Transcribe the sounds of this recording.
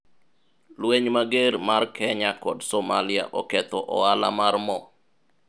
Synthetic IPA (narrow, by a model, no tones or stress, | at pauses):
lweɲmaɡeɾmarkʰɛɲakɔdsɔma̰lɪa̰ʔɔkɛt̪ɔʔɔ̰ala̰marmɔ